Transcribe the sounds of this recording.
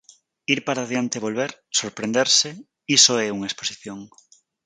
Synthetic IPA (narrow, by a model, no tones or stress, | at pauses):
iɾpaɾaːðjant̪eβolβeɾsoɾpɾẽnd̪eɾse | isoɛuŋɐesposiθjoŋ